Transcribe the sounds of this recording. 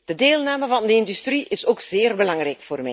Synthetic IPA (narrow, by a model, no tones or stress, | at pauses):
d̥ədeːlˠnaːməvɑndəɪndystriʔɪsoːkz̥eːrbəlɑŋrɛjkfoːrmɛ